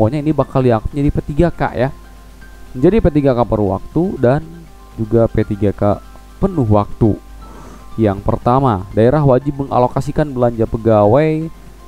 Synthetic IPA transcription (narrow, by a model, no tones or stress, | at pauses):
oɲainibakaliakt̪̚d͡ʒadipet̪iɡaka̰ʔja | məɲd͡ʒadipet̪iɡakapəɾwa̰k̚t̪udan | d͡ʒuɡapet̪iɡaka | pənʊɦwak̚t̪u | jaŋpərt̪amadaeɾaɦwad͡ʒɪp̚məŋa̰lokasikanbəlaɲd͡ʒapəɡawaj